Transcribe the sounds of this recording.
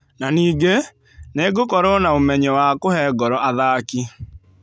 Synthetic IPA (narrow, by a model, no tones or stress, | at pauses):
naniːɡe | neɡokɔɾɔnaomɛɲɛwakohɛːɡɔɾɔʔaðaːki